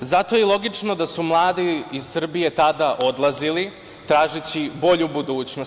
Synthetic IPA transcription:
zat̪o̞jɛlˠo̞ɡit͡ʃno̞d̪asumlˠaːd̪iiz̥sr̩bije̞t̪ad̪aʔo̞d̪lˠazili | t̪ɾaːʒet͡ɕibo̞ʎubud̪uːt͡ɕno

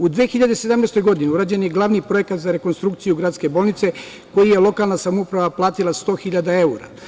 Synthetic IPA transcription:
ud̪ʋexiʎad̪ese̞d̪amneːst̪o̞jɡo̞d̪iniuɾaːd͡ʑe̞njeɡlˠaʋnipɾo̞je̞kat̪zaɾe̞ko̞nst̪ɾukt̪sijuɡɾaːt̪ske̞bo̞ːlˠnit̪se̞ | ko̞jije̞lˠo̞kalˠnasamoupɾaʋaplˠaːt̪ilˠast̪o̞ːxiʎad̪ae̞uɾa̰

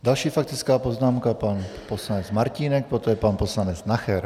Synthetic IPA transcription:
d̪alʃiːfak̚t̪ɪt͡skaːpoznaːmkapanposlanɛt͡smaɾciːnɛk̚pɾot̪ojɛpanposlanɛt͡snaxɛɾ

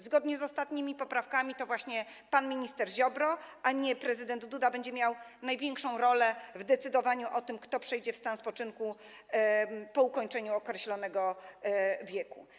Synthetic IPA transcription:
zɡɔd̪ɲɛzɔst̪at̪ɲimʲipɔpɾafkamʲit̪ɔvwaɕɲɛ | panmʲiɲist̪ɛɾʑɔbɾɔʔaɲɛpɾɛzɘd̪ɛnd̪d̪ud̪abɛɲd͡ʑɛmʲjawnajvʲjɛŋkʂɔ̃w̃ɾɔlɛvd̪ɛt̪sɘd̪ɔvaɲuʔɔt̪ɘmkt̪ɔpʂɛjd͡ʑɛfst̪anspɔt͡ʂɘŋku | pɔukɔɲt͡ʂɛɲuɔkɾɛɕlɔnɛɡɔ | vʲjɛku

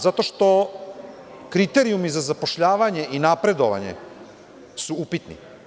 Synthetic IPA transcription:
zat̪o̞ʃt̪o̞ | kɾit̪e̞ɾiumizazapo̞ʃʎaːʋaɲe̞ʔinapɾe̞d̪o̞ʋa̰ɲḛ | suupit̪nḭ

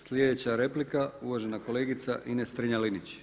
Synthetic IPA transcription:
slʲjed̪et͡ɕaɾe̞plikauʋoʒenako̞le̞ːɡit̪sa̰ʔinest̪ɾiɲalinit͡ɕ

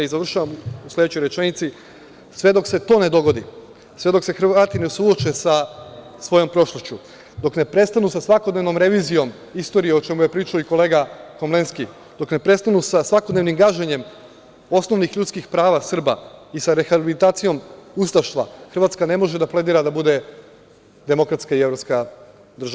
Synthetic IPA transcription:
izaʋr̩ʃaʋamusled̪et͡ɕojɾet͡ʃenit̪si | sʋe̞d̪o̞kse̞t̪o̞ːne̞d̪o̞ɡo̞d̪ḭ | sʋe̞d̪o̞kse̞xr̩ʋaːt̪inesuo̞t͡ʃesa | sʋo̞jo̞mpɾo̞ʃlˠoʃt͡ɕu | d̪o̞kne̞pɾe̞st̪anusasʋakod̪ne̞ʋno̞mɾe̞ʋiːzijo̞m | ist̪o̞ɾijeo̞t͡ʃe̞muje̞pɾiːt͡ʃaoiko̞le̞ːɡako̞mle̞nski | d̪o̞kne̞pɾe̞st̪anusasʋako̞d̪ne̞ʋnimɡaʒeɲe̞m | o̞sno̞ʋnixʎut̪skixpɾaːʋasr̩ba̰isaɾe̞xabiilit̪aːt̪sijo̞must̪aʃt̪ʋa̰xrʋat̪skane̞mo̞ʒed̪aplˠe̞d̪iːɾad̪abud̪e̞ | d̪e̞mo̞kɾat̪skaie̞vɾopska | d̪r̩ʒaʋa

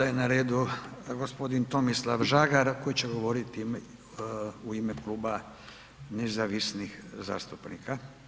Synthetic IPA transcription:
ajenaɾeːd̪uɡospo̞d̪int̪o̞mislˠaʋʒaːɡaɾko̞jit͡ɕeɡo̞ʋo̞ɾit̪i | uimeklˠuːba | nezaʋisnixza̰ːst̪upnḭkʰa

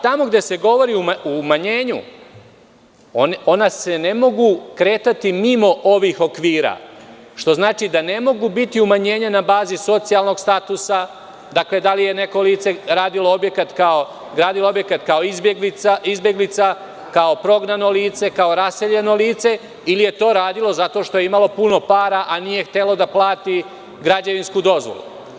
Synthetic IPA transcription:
at̪amo̞ɡd̪e̞se̞ɡo̞ʋo̞ɾiumaumaɲe̞ːɲṵ | oo̞nase̞ne̞mo̞ɡukɾe̞ːt̪at̪imimo̞ʔo̞ʋixo̞kʋiːɾa̰ʃt̪o̞znaːt͡ʃid̪ane̞mo̞ɡubit̪iumaɲe̞ːɲanabaːziso̞t̪sialˠno̞ɡst̪at̪usa | d̪akle̞d̪alije̞ne̞ko̞liːt̪se̞ɾaːd̪iloobje̞kat̪kao | ɡɾaːd̪iloo̞bje̞kat̪kao̞izbɡliaizbje̞ɡlit̪sa | kao̞pɾo̞ɡnano̞liːt̪se̞kao̞ɾase̞ʎe̞no̞liːt̪se̞ | ilije̞t̪o̞ːɾaːd̪ilˠo̞zat̪o̞ːʃt̪o̞je̞imalo̞puno̞paːɾaʔanije̞xt̪e̞lo̞d̪aplˠaːt̪i | ɡɾad͡ʑeʋinskud̪o̞zʋo̰lˠṵ

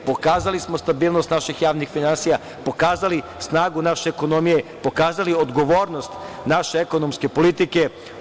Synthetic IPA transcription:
po̞kaːzalismo̞st̪abiːlˠnost̪naʃixjaːʋnixfinansija | po̞kaːzali | snaːɡunaʃeːko̞nomije̞po̞kaːzaliod̪ɡo̞ʋo̞ːɾnost̪naʃeeko̞nomske̞po̞lit̪ike̞

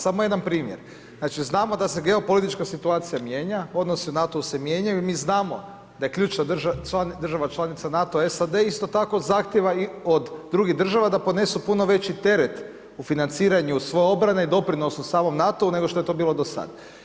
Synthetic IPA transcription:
samoje̞d̪anpɾiːmjḛɾ | zaːt͡ʃiznaːmo̞d̪ase̞ɡe̞o̞po̞lit̪it͡ʃkasit̪uaːt̪sijamje̞ːɲao̞d̪nosiunat̪o̞use̞mje̞ɲajuimiːznaːmo̞ | d̪ajekʎuːt͡ʃnad̪ʒt͡ʃand̪ɾrʒaʋat͡ʃlˠanit̪sanat̪oaesad̪eist̪o̞t̪ako̞zaxt̪jeʋaiod̪ːɾuɡiɦd̪ɾr̩ʒaʋad̪apone̞supuno̞ʋe̞t͡ɕit̪e̞ɾe̞t̪ | ufinant̪siːɾaɲusʋo̞jeo̞bɾane̞id̪o̞pɾino̞susaːmo̞mnat̪o̞une̞ɡoʃt̪o̞e̞t̪o̞biːlˠo̞d̪osa̰d̪

